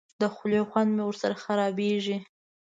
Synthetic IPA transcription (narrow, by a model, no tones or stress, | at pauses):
d̪əxloxwand̪mewəɾsaɾaxaɾɑbeʒi